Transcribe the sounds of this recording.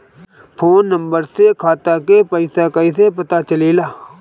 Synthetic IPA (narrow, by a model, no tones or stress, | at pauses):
pʰoːnːə̃mbəɾsekʰaːt̪akepəɪsakɐisepɐt̪at͡ʃɐlilaː